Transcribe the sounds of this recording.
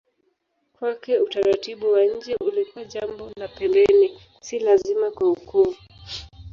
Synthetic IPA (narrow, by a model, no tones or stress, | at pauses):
kwakɛutaɾatiɓuwaɲ̩d͡ʒɛʔulikuwaʄambɔlapɛmbɛni | silazimakwauku